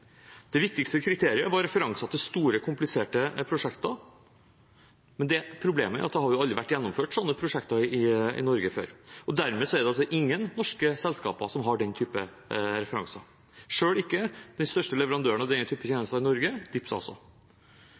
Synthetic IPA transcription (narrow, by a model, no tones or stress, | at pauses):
d̪̥ɛʋɪk̚t̪ɪkst̪əkʰɾɪt̪ʰeːɾɪəʋɑɾɾɛfəɾɑŋsɑt̪ʰɪst̪uːɾəkʰʊmplɪseːʈəpʰɾʊʂɛkt̪ɑ | mɛnd̪ɛpʰɾʊbleːməæ̰ʔɑt̪̚d̪ɛhɑɾjʊɑld̪ɾɪʋæʈːjɛnːɔmføːʈsɔnːəpʰɾʊʂɛkt̪ɑɪɪɪ̰nɔɾɡəfø̰ːɾɔd̪æɾmeːsɔæɖ̪ɛɑlsɔʔɪŋːənːɔʂkəsɛlskɑ̰ːpɑsɔmɦɑɖɛnt̪ʰyːpə | ɾɛfəɾɑ̰ŋsɑ | ʂøːɭɪkːəd̪̥ɛnst̪œʂʈəlɛʋəɾɑnd̪øːənɑd̪ɛnːət̪ʰyːpəçeːnəst̪ɑɪnɔɾɡəd̪̥ɪpsɑ̰lsɔ̰